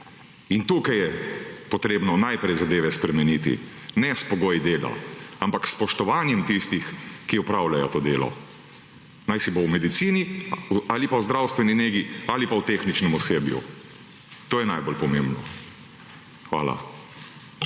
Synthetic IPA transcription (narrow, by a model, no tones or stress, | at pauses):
int̪uːkajɛpɔt̪ɾeːbnɔnajpɾɛjzad̪eːʋɛspɾɛmɛniːt̪ḭ | nɛspɔɡoːjid̪eːla̰ampakspɔʃt̪ɔʋaːnjɛmt̪ist̪ixkiɔpɾawlajɔt̪oːd̪eːlɔ̰ | najsibowmɛd̪it̪siːnialipawzd̪ɾawst̪ʋɛnineːɡialipawt̪exnit͡ʃnɛmɔseːbjṵ | t̪oːjɛnajbolpɔmembnɔ | xʋa̰ːla̰